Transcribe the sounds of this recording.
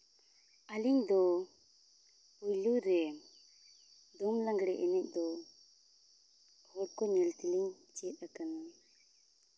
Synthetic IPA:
aliɲd̪ɔ | ujluɾɛ | d̪ɔmlaŋɡɽɛʔɛnɛc̚ˀd̪ɔ | hɔɽ̚kɔɲɛlt̪iliɲ | t͡ʃɛt̪̚akana

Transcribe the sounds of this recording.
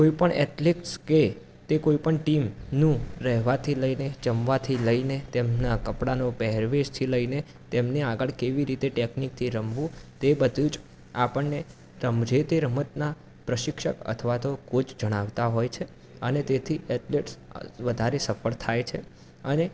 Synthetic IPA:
koipəɳɛ̰ʈleʈske | t̪ekoipəɳʈimnũɾɛɦʋat̪ʰiləinet͡ʃəmʋat̪ʰiləinet̪emnakəpɽanopɛɦɾʋeʃt̪ʰiləine | t̪emneaɡəɭkeʋiɾit̪eʈeknik̚t̪ʰiɾəmʋũt̪ebəd̪ʱud͡ʒ | apəɳne | ɾəmd͡ʒet̪eɾəmət̪na | pɾəʃɪkʃə̰kə̰t̪ʰəʋat̪okod͡ʒd͡ʒəɽ̃aʋt̪aɦojt͡ʃʰe | ənet̪et̪ʰiɛʈleʈsʋəd̪ʱaɾesəfəɭt̪ʰajt͡ʃʰe | əne

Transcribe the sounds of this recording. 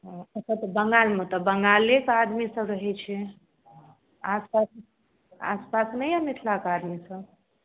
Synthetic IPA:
ɦət͡ʃʰat̪əbəŋɡalmet̪əbəŋɡalekad̪misə̃ɾəɦɛt͡ʃʰɛ | aspas | a̰spasnəjəmit̪ʰlakad̪misə̃b

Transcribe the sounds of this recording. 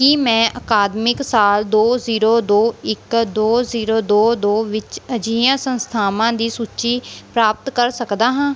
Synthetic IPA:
kiːmɛ̃ːʔəkaːd̪mɪksaːld̪oːziːɾoːd̪oːɪkd̪oːziːɾoːd̪oːd̪oːʋɪt͡ʃəd͡ʒijãːsə̃nst̪ʰaːmãːd̪iːsuːt͡ʃiːpɾaːp̚t̪kəɾsəkd̪aːɦãː

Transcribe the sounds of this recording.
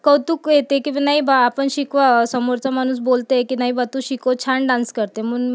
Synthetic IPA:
kəwt̪uːkjet̪ẽkĩʋanaɦibʱaːpəɳɕikʋasəmoɾt͡samañuːs̬bolt̪ekinaɦibat̪ũɕikot͡ɕʰaɳɖãnskəɾt̪eməɳ

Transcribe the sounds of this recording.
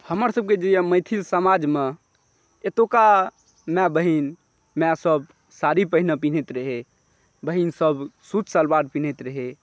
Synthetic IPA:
həməɾsəb̚ked͡ʒejaməɪt̪ʰilsəmad͡ʒme | et̪oka | mɛ̃bəɦin | mɛ̃səb | saɾipəɦinəpin̤et̪ɾəɦe | bəɦinsəbsut͡ʃsəlbaɖpin̤et̪ɾəɦe

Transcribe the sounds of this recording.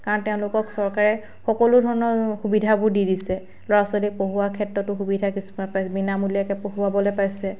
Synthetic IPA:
kaɹɔntɛʊ̃lʊkɔksɔɹkaɹɛ | xɔkɔlʊdʱɔɹɔnɔɹxubidʱabʊɹdidisɛ | lɔɹasɔlik̚poɦuwakʰɛtɹɔtʊxubidʱakisu̥mapajsɛbinamulijakɛpoɦuabɔlɛpajsɛ

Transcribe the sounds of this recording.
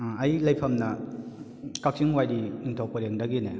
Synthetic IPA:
ɐjlɐjpʰɐmnɐ | kak̚siŋwajdiniŋtʰowpɐɾeŋdɐɡine

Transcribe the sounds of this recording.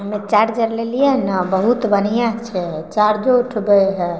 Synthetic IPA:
ɦəmet͡ʃaɾd͡ʒəɾlelijenəbəɦut̪bənijãt͡ʃʰɛt͡ʃaɾd͡ʒouʈʰbeɦɛ

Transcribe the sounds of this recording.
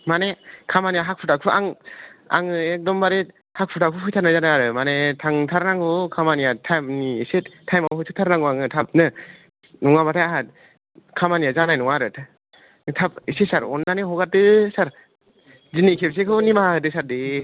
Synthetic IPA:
manekʰamanijaɦak̚pʰutakʰuʔaŋa̰ŋɯek̚dɔmbaɾet̚ | hak̚pʰutakʰupʰɯjtʰaɾnajzanaaɾɯmanetʰaŋtʰaɾnaŋɔkʰamanijatʰajmniːsettʰajmaɦɯtʰɯtʰaɾnaŋoaŋɯtʰap̚nɯ | nɔŋabatʰajaɦa | kʰamanijazanajnɔŋaɾɯtʰ | tʰap̚isetsaɾɔ̰nːaneɦɔɡat̚dɯsaɾ | zinikʰep̚s̬ekʰɯnimaaɯdɯsaɾde

